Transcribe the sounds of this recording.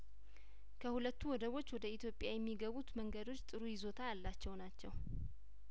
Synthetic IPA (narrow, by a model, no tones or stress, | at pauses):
kʰəhulət̪ːuwɔd̪əwo̞t͡ʃːwɔd̪əit̪jo̞pʼːjajɛmːiɡəβut̪məŋɡəd̪o̞t͡ʃːt̪ʼɨɾujɪzo̞t̪ʰajalːat͡ʃːɛwnat͡ʃːɛw